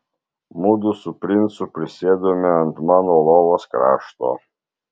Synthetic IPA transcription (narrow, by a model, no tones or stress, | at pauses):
mud̪ʊsʊpʲɾʲɪnt̪sʊpʲɾʲɪsʲeːd̪oːmʲɪɐnt̪mɑːnoːlˠoːʋoskɾɑ̰ːʃt̪o̰ː